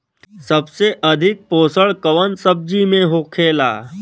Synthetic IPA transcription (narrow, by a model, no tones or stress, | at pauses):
sɐbseʔɐd̪ʱɪk̚poːsəɭkɐʋənsəb̚d͡ʒimẽɦoːkʰeːla̰ː